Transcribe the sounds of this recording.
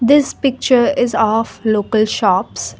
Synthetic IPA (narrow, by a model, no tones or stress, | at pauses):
d̪ɪspɪk̚t͡ʃəɾɪzɔːfloːkəlʃɔːps